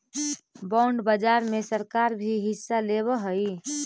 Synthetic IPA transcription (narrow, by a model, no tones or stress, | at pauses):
baɳɖbəd͡ʒaɾmesəɾkaɾbʱiɦisːaleβəɦəj